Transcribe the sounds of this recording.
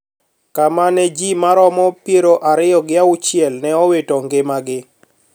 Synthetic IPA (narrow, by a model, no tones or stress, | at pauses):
kamanɛd͡ʒimaɾɔmɔpjeɾoʔaɾɪjɔɡɪaʊt͡ʃjɛlnɛɔwetɔŋɡɪmaɡɪ